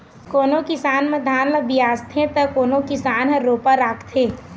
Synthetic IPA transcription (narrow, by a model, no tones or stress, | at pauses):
koːnokɪsaːnmẽd̪ʱaːnləbɪjaːst̪ʰẽt̪ɐkoːnõkɪsaːnɦəɾoːpaɾaːkʰt̪ʰeː